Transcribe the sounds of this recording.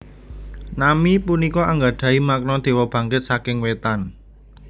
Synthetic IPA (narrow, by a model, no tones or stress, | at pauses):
namipunikɔʔaŋɡaɖ̪̥ä̤imak̚nɔd̪̥e̤wɔb̥ä̤ŋkɪt̪̚sakɪŋwet̪an